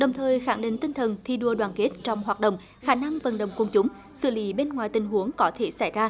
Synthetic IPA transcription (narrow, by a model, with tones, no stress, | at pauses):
ɗə˨˩wŋ͡mt̪ʰəː˨˩jxa˧˩ŋɗï˨˩ŋ̟t̪ï˧ŋ̟t̪ʰə˨˩nt̪ʰi˧ɗu˧əɗwaː˧˩nke˦˥t̚t͡ɕɔ˧wŋ͡mɦwaː˨˩t̚ɗə̰˧˨wŋ͡m | xaː˧˩na˧ŋvə̰˨˩nɗə̰˨˩wŋ͡mku˧˩ŋ͡mt͡ɕʊ˨˦ŋ͡m | sɨ̰˧˨lḭ˧˦ɓe˧nŋwaː˨˩jt̪ï˨˩ŋ̟ɦu˨˦əŋkɔ˨˦t̪ʰe˧˩sa˧˩jzaː˧